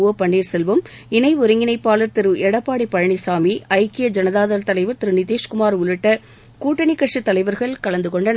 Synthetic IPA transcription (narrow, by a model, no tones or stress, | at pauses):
opɐɳːiːɾsɛlʋɯm | ɪnɐɪʊɾɯŋɡɪnɐɪpːaːlɐɾt̪ɪɾɯɛɽɐpːaːɽipːɐɻɐɳisaːmiʔɐɪkɪjɐd͡ʒɐnɐðaːðɐlt̪ɐlɐɪʋɐɾt̪ɪɾɯnɪt̪eːʂkʊmaːɾʊɻɪʈːɐ | kuːʈːɐnikːɐʈʂit̪ːɐlɐɪʋɐɾɣɐɭkɐlɐnd̪ɯkɔɳɖɐn